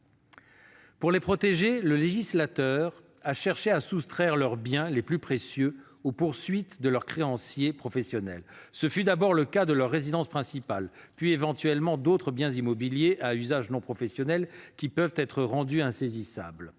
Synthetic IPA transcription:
puʁlepχɔt̪eʒeləleʒislat̪œːʁ | aʃɛʁʃeasust̪χɛʁlœʁbjɛ̃leplypχesjø | opuʁsɥit̪d̪əlœʁkχeɑ̃sjepχɔfɛsjɔnɛ̰lsəfyd̪abɔʁləkad̪əlœʁːezid̪ɑ̃spχɛ̃sipalpɥievɑ̃t̪ɥɛlmɑ̃d̪ot̪χəbjɛ̃zimɔbiljeʔayzaʒnɔ̃pχɔfɛsjɔnɛlkʲipœvt̪ɛt̪χəʁɑ̃d̪yɛ̃sezisa̰bl

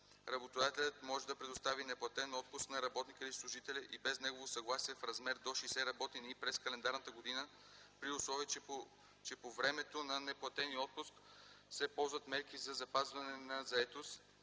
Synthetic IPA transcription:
ɾɐbot̪od̪at̪ɛlʲət̪mɔʒɛd̪ɐpɾɛd̪ʊst̪avinɛplˠɐt̪ɛnɔt̪̚pʊsknɐɾɐbɔt̪nikəislˠʊʒit̪ɛlʲɛʔibɛznɛɡovosɐɡlˠasiɛfɾɐzmɛɾd̪oʃɛsɛɾɐbɔt̪inipɾɛskɐlɛnd̪aɾnət̪əɡod̪inə | pɾiʊslˠɔvi | t͡ʃɛpovɾɛmɛt̪onɐnɛplˠɐt̪ɛniɔt̪̚pʊsksɛpɔlˠzvɐt̪mɛɾkizɐzɐpazvɐnɛnɐzɐɛt̪os

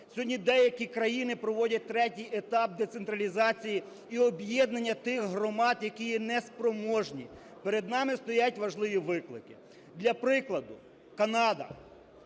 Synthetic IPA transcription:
sʲɔɦɔdʲnʲid̪ɛjɐkʲikɾɐjinɪpɾɔʋɔdʲɐt̚ʲt̪ɾɛtʲijet̪ɑp̚d̪ɛt̪sent̪ɾɐlʲizɑt͡sʲiji | iɔbjɛd̪nɐnʲːɐt̪ɪxɦɾɔmɑd̪jɐkijinɛspɾɔmɔʒnʲi | peɾed̪nɑmɪst̪ɔjatʲʋɐʒlˠɪʋʲiʋɪklˠɪkɪ̥ | d̪lʲɐpɾɪklˠɐd̪ʊ | kɐnɑd̪ɐ̰

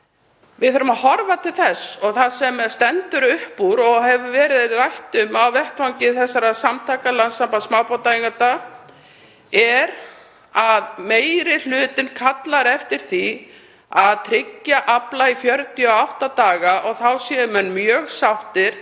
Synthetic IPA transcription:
vɪðθʏɾʏmaðhɔɾvat̪ʰɪlθɛsɔɣθasɛmst̪ɛnt̪ʏɾʏhpuɾɔɣɦɛvʏvɛːɾɪðrajht̪ʏmawvɛht̪fawɲcɪθɛsːaɾasamt̪ʰaːkalansampasmaːwpawt̪ajiŋkat̪a | ɛɾ | aðmeːjɾɪl̥ʏːt̪ɪnkʰat̪laɾɛft̪ɪɾ̥θi | aðt̪ʰɾɪcːaʔaplaifjœɾt̪iɔawht̪at̪aːɣaʔɔɣθawsjɛmʏnːmjœːɣsawht̪ɪɾ̥

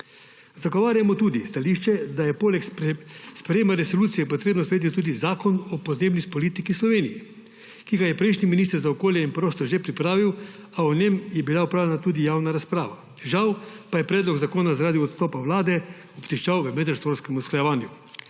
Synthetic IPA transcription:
zaɡɔʋaːɾjamɔt̪uːd̪ist̪aliːʃt͡ʃɛd̪ajɛpoːlɛkspɾɛjeːmaɾɛsoluːt̪sijɛpɔt̪ɾeːbnɔspɾejeːt̪it̪uːd̪izaːkɔnɔpɔd̪neːbnispɔliːt̪ikislɔʋeːnijɛ | kiɡajɛpɾɛjʃniminist̪əɾzaɔkoːljɛinpɾoːst̪ɔʒepɾipɾaːʋiw | aɔnemjɛbilaupɾawlʲɛnat̪uːd̪ijawnaɾaspɾaːʋa | ʒawpajɛpɾɛːd̪lɔɡzakoːnazaɾaːd̪iɔt̪st̪ɔːpawlaːd̪ɛ | ɔpt̪iʃt͡ʃawʋəmɛd̪ast̪ʋoːɾskɛmusklajɛʋaːnju

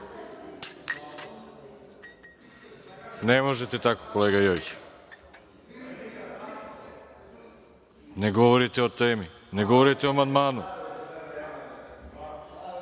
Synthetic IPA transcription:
nɛmɔʒɛt̪ɛt̪ako̥kolɛɡajɔjt͡ʃɛ̥ | nɛɡɔvɔɾit̪ɛot̪ɛmi | nɛɡɔvɔɾit̪ɛoamand̪manu

